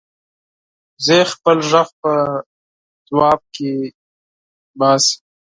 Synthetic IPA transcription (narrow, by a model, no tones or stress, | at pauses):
zexpəlʒaɣpə | z̥wɑːb̚ke | bɑːsi